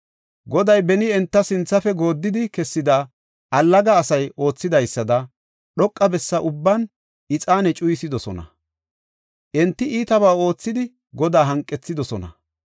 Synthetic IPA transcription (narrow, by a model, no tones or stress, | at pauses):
ɡɔd̪ɐjbɛnɪɛnt̪ːɐsɪnt͡sːɐfɛɡo̞ːd̪ːɪd̪ɪkɛsːɪd̪a | ʔɐlːɐɡɐːsɐjo̞ːt͡sːɪd̪ɐjsːɐd̪ɐ | ɗɔkʼːɐbɛsːɐʔʊbːɐn | ʔɪt͡sʼaːnɛt͡ʃʼʊjsɪd̪ɔsɔnɐ̰ | ʔɛnt̪ːɪiːt̪ɐβaːo̞ːt͡sːɪd̪ɪ | ɡɔd̪aːɦɐŋkʼːɛt͡sːɪd̪ɔsɔnɐ̰